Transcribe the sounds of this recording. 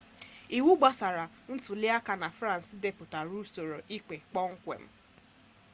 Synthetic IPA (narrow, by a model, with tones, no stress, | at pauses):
i˨wu˦ɡ͡ba˦sa˨ɾa˨ | n̩˦tʊ˨lɪ˦a˦ka˨na˨fɾã˦n̩˨sde˨pʊ˨ta˨ɾu˦so˨ɾo˨ʔi˦k͡pe˨k͡pɔ˦ŋ̩˦kʷḛ˨m̩˦